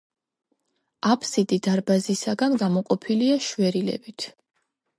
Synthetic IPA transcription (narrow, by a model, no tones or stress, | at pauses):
apʰsid̪id̪aɾbazisaɡanɡamɔqʼɔpʰiliaʃvɛɾilɛ̰bit̪ʰ